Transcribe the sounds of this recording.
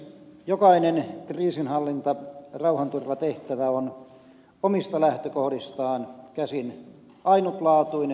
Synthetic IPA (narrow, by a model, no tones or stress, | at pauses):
jokɑinenkriːsinhɑlːint̪ɑrɑuhɑnt̪urʋɑt̪eht̪æʋæon | omist̪ɑlæht̪økohdist̪ɑːnkæsin | ɑinut̪lɑːt̪uin